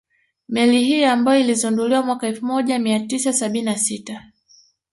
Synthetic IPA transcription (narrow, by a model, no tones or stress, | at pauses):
mɛlihiambajɔilizunduliwamwakaɛlfumɔʄamiatisasaɓininasita